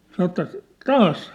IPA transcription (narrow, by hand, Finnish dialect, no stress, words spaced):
sɑnə̆ ĕtːæ tɑːs